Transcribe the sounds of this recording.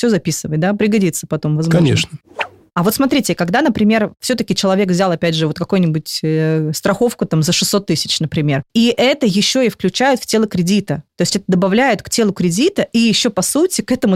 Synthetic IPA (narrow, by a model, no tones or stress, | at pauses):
fsʲozɐpʲisɨvət̚ʲd̪apɾʲɪɡɐdʲit̪sːə̥pɐt̪o̞mvɐzmɐnʲeʂnə | ɐvo̞t̪smɐt̪ɾʲitʲɪkɐɡd̪anəpɾʲɪmʲe̞rfsʲot̪əkʲɪt͡ɕɪlˠɐvʲe̞kvzʲalˠɐpʲædʲʐɨvo̞t̪kɐko̞jnʲɪbʊtʲst̪ɾɐxo̞fkʊt̪amzəʂɨsːo̞t̪ːɨsʲɪ̥t͡ɕnəpɾʲɪmʲe̞riʔɛt̪əjɪɕːo̞ɪfklʲʉt͡ɕæjʊt̪ftʲelˠəkɾʲɪdʲit̪ət̪o̞jɪsʲtʲɛt̪əd̪əbɐvlʲæjʊt̪ktʲelˠʊkɾʲɪdʲit̪əijɪɕːo̞pɐsutʲɪkɛt̪əmʊ